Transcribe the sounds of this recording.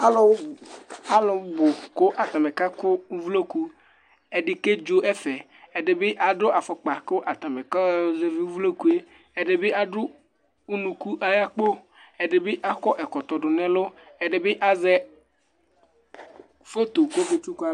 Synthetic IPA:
a˦lo˦wa˦lo˨˦bo˨ko˦ʔa˨t̪a˨me˨ka˦kʊ˦vu˦lo˦ku˦ | e˨ɖe˨ke˦d͡ʒo˦ʔɛ˦fɛ˨ | e˨ɖe˨be˦ʔa˨ɖo˦ʔa˨fɔ˨k͡pa˨ko˦ʔa˨t̪a˨me˨ka˦ze˦vi˦vu˦lo˦ku˦e˦ | e˨ɖe˨be˦a˨ɖʊ˦ | u˦nũ˨ku˦ʔa˦ja˦k͡po˦ | e˨ɖe˨be˦ʔa˨kɔ˦ʔɛ˨kɔ˨t̪ɔ˨ɖʊ˨nɛ̃˦lo˦ɛ˨ɖe˨be˦ʔa˨zɛ˦ | fe˦t̪o˨ɡo˦bo˨t͡ʃu˦ka˦

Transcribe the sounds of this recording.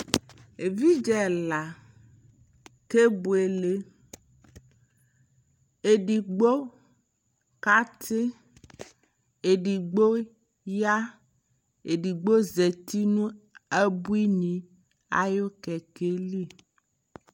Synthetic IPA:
e˨vi˦d͡ʒɛ˨la˨ | ke˦bu˨e˨le˨ | e˨ɖi˨ɡ͡bo˦ | ka˦t̪ʰe˦ | e˨ɖi˨ɡ͡bo˦ | ja˦ | e˨ɖi˨ɡ͡bo˦ze˨t̪i˦nũ˦e˦bu˦i˦ɲĩ˨ | a̰˨jo˦kɛ˨ke˦li˦

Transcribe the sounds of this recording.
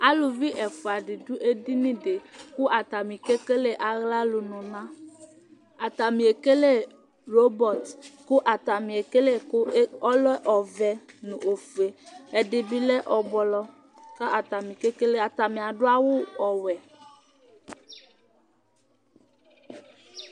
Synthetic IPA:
a˦lu˨vi˦ʔɛ˨fu˨a˨ɖɪ˨du˦ʔe˦di˦nĩ˦de˨ku˦ʔa˨t̪a˨mĩ˨ke˦ke˦le˦ʔa˨ɣla˦lʊ˨nɔ̃˨nã˦ | a˨t̪a˨mĩ˨e˨ke˦le˦ | ɾo˦bɔ˨t̪ku˦ʔa˨t̪a˨mĩ˨e˨ke˦le˦kɔ˦lɔ˦ʔɔ˨vɛ˨nũ˨ʔo˨fu˨e˨e˨ɖɪ˨bi˦lɛ˦ʔɔ˨bɔ˨lɔ˦ | ka˦ʔa˨t̪a˨mĩ˨ke˦ke˦le˦a˨t̪a˨mĩ˨a˨ɖʊ˦a˦wo˦ɔ˨wɛ˨

